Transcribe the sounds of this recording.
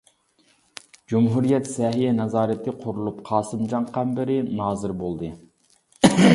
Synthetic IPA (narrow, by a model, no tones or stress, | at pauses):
d͡ʒumɦuɾijɛt̪sɛɦijɛnɑzɑːɾɨt̪ʰɨqʰoɾulˠupqʰɑːsɨmd͡ʒɑŋqɑmbɪɾɪnɑːzɨɾbolˠd̪ɨ